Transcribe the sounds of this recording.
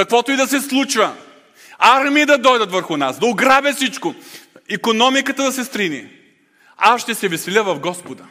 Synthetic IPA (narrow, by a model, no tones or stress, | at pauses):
kɐkvɔt̪ʊid̪ɐsɛslˠut͡ʃvə | aɾmiːd̪ɐd̪ɔjd̪ət̪vəɾxʊnasd̪ɐʊɡɾabʲɐfsit͡ʃkʊikonɔmikət̪əd̪ɐsɛst̪ɾini | asʃt̪ɛsɛvɛsɛlʲəvɐfɡɔspod̪ə